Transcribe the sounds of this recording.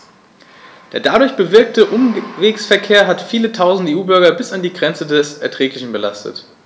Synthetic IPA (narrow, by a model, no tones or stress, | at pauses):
d̥eːɐdadʊɐçb̥əvɪɐk̚təʔʊmveːksfɛɐkʰeːɐɦatfiːlətʰaʊzn̩deːuːbʏɐɡɐbɪsandiːɡʁɛnt͡sədɛsʔɛɐtʁ̥ɛːklɪçn̩bəla̰stə̰t